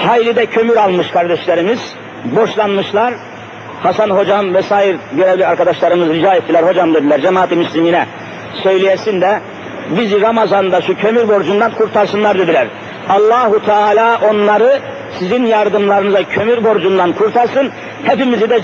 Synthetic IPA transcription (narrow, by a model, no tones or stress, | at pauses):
hajlʲid̪ɛcʰø̞myɾalˠmɯʃkʰaɾd̪ɛʃlʲeɾimiz̥ | bo̞ʃlˠanmɯʃlˠaɾ | hasanɦo̞d͡ʒamvɛsaːjiɾɟø̞ɾɛvlʲiaɾkad̪aʃlˠaɾɯmɯzɾid͡ʒaːjefd̪ilæɾho̞d͡ʒamd̪ed̪ilʲæɾd͡ʒɛmaːt̪ʰimyslʲiminɛ | sø̞jlʲijɛsind̪ɛ | biziɾamazanɯnd̪aʃucʰø̞myɾbo̞ɾd͡ʒund̪ankʰuɾt̪ʰaɾsɯnlˠaɾd̪e̞d̪ilʲæɾ | ɑlˠːaːɦut̪ʰɛaːlʲaːʔo̞nlˠaɾɯ | sizinjaɾd̪ɯmlˠaɾɯnɯzacʰø̞myɾbo̞ɾd͡ʒund̪ankʰuɾt̪ʰaɾsɯn | hepimizid̪ɛ